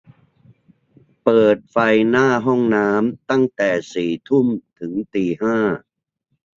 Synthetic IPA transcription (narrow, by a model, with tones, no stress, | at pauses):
pɤː˨˩t̪̚fa˧jnaː˥˩ɦɔ˥˩ŋnaː˦˥mt̪a˥˩ŋt̪ɛː˨˩siː˨˩t̪ʰu˥˩mt̪ʰɯ˩˦ŋt̪iː˨˩ɦaː˥˩